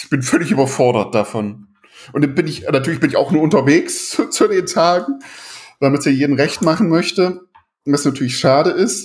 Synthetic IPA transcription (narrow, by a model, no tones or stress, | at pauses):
ɪçb̥ɪnfœlɪçʔyːbɐfɔɐɾɐt̚d̥afɔn | ʔʊntdabɪnɪçnatʰyːɐlɪçb̥ɪnɪça̰ʊxnuːɐʊntɐveːkst͡sudeːntʰaːɡŋ̩d̥amɪtsiːɐjeːdn̩ʁɛçtmaχn̩mœçtə | vasnatʰyːɐlɪçʃaːɾəɪst